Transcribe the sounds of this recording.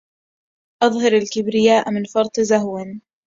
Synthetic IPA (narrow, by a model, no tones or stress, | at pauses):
ʔɑðˤɦɑɾalkɪbɾɪjaːʔmɪnfɑɾˤt̪ˤzaɦwɪn